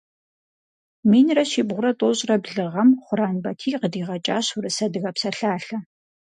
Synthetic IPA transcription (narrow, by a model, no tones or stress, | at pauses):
miːnrɐʃiːbʁʷʊɾɐtʼoːɕʼrɐbɮɨʁɐmχʷʊɾaːnbɐtʰiːqədiːʁɐt͡ʃʼaːɕʊrɨsɐdɨɣɐpsɐɬaːɬɐ